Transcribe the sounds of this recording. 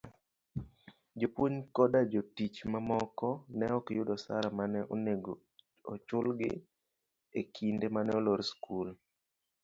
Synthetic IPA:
d͡ʒopwoɲkɔdad͡ʒotit͡ʃmamɔkɔnɛɔkɪjʊdɔsa̰ɾamanɛʔoneɡo | ɔ̰t͡ʃʊlɡɪ̰ | ekʰindemanɛoloɾskʰul

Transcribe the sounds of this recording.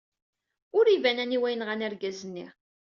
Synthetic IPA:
ʊɾivænæniwæjənʁænæɾɡæzənːḭʁ

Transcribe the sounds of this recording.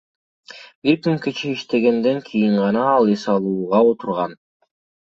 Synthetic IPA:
biɾkyŋket͡ʃiiʃt̪e̞ɡe̞nd̪e̞ŋkʰijiɴʁɑnɑːlˠisɑlˠuːʁɑot̪ʰuɾʁɑn

